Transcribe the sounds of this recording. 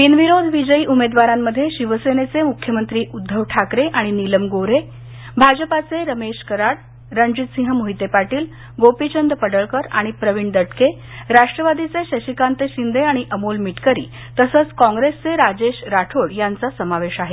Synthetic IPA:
pinʋiɾod̪ʱʋid͡ʑəiːʔumed̪ʋaɾamːəd̪ʱːjeɕiʋəsenet͡semukʰjəmənt̪ɾiːʔud̪ʱːəʋʈʰakɾeʔaɽ̃iniləmɡoɾe | bʱad͡ʑpat͡seɾəmeɕkəɾaɽ | ɾəɲd͡ʑit̪sĩɦəmuɦit̪epaʈiːl | ɡopit͡ɕənd̪əpəɽəɭkəɾa̰ɽ̃ipɾəʋiɳd̪əʈke | ɾaʂʈɾəʋad̪it͡seɕəɕikant̪eɕind̪eaɽ̃iʔəmulmiʈkəɾḭː | t̪əsət͡skɔ̃ŋɡɾest͡seɾad͡ʑeɕɾaʈʰoɽjant͡sasəmaʋeɕaɦe

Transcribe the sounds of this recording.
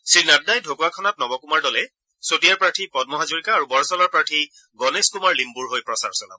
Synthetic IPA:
sɹinat̚dajdʱokuwakʰɔnat̚nɔbɔkumaɹdɔlɛ | sotijaɹpɹatʰipɔdmɔɦazoɹikaːɹubɔɹɔsɔlaɹpɹatʰi | ɡɔneskumaɹlimbuɹɦojpɹɔsa̰ɹsɔla̰b

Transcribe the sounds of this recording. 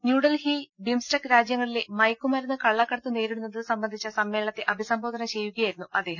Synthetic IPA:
njuːɽɐlhibimsʈɐkɾaːd͡ʑjɐŋːɐɭilemɐjkːumɐɾɐnːɨkɐɭːɐkːɐɽɐt̪ːune̞ːɾiɽunːɐðɨsɐmbɐnd̪ʱit͡ɕːɐsɐmːeːɭɐt̪ːe̞ʔɐbʱisɐmbʱo̞ːd̪ʱɐnɐt͡ɕe̞jːuɣɐjajiɾunːuɐd̪ːe̞ːɦɐm

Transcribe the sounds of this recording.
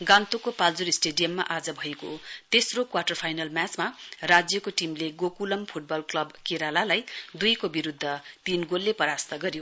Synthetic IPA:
ɡãnt̪ukopald͡zuɾisʈeɖijʌmːa̰ʔad͡zʌbʱʌekot̪esrokwaʈʌrpʰajnʌlmjat͡smarad͡zjʌkoʈimleɡokulʌmpʰuʈ̚bʌlklʌbkeɾalalajd̪ujkobiɾud̪ʱːʌt̪inɡolːepʌɾast̪ʌɡʌɾjo

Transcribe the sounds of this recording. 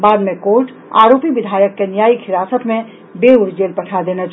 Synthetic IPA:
baːd̪mẽkoːɾʈ | a̰ːɾoːpiʋɪd̪ʱaːjəkːenijaːikʰɪɾaːsət̪mẽ | beʊɾd͡ʒeːlpɐʈʰad̪eːnat͡ʃ

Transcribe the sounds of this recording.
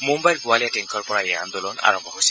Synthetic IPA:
mumbajlɡualijateŋkʰɔɹpɔɹajeand̪olɔna̰ɹɔmbʱɔɦojsi

